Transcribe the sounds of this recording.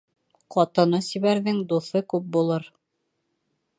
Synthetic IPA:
qɑt̪ɤ̆nɤsiβæɾðɘŋd̪uθɤkʉp̚bulˠɤɾ

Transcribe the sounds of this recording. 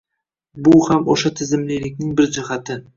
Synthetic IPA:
bʊhamoʃat̪ʰɪzɪmlɪlɪkʲnɪŋbɪɾd͡ʒɪhat̪ʰɪ

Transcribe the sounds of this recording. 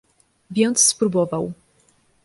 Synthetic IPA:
vʲɛnt̪sspɾubɔvaw

